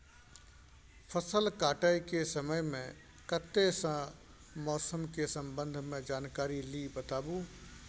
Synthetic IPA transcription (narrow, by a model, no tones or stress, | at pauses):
pʰəsəlkaːʈaikesəməjmẽ | kət̪ːesə̃ | mɔːsəmkesə̃mbə̃nd̪ʱmẽd͡ʒaːnkaːɾilibət̪aːbũ